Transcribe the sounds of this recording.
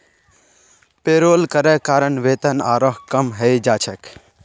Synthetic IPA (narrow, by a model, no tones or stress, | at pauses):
peːɾoːlkəɾɛkaːɾəɳʋeːt̪ənaːɾɔɦkɐmɦɛjd͡ʒaːt͡ʃʰək